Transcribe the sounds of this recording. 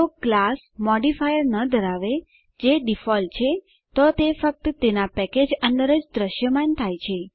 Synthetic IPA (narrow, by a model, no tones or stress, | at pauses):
oklas | mɔɖifajəɾnəd̪ʱəɾaʋe | d͡ʒeɖifɔlt͡ʃʰe | t̪ot̪efək̚t̪ət̪enapɛked͡ʒənd̪əɾəd͡ʒd̪ɾəʃjəmant̪ʰajt͡ʃʰe